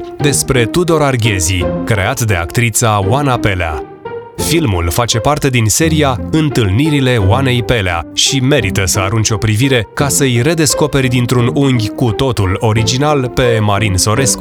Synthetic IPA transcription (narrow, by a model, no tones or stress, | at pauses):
d̪e̞spɾe̞t̪ud̪o̞ɾarɡʲe̞zikɾe̞̰at̪d̪e̞a̰kt̪ɾit̪sawanape̞lea̰ | filmṵlfat͡ʃe̞part̪e̞d̪inse̞ɾijaɨnt̪ɨlniɾile̞wane̞jpe̞lea̰ʃime̞ɾit̪əsəaɾunt͡ʃo̞pɾiviɾe̞kasəjre̞d̪e̞sko̞pe̞rʲd̪int̪ɾunuŋɡʲkut̪o̞t̪ulo̞ɾid͡ʒinalpe̞maɾinso̞ɾe̞sku